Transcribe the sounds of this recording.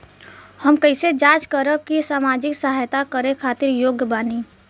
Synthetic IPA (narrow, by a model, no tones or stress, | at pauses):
həmkəɪsed͡ʒaːt͡ʃkəɾəb̚kisaːmaːd͡ʒɪksəɦajt̪akəɾekʰaːt̪ɪɾjoːɡbaːni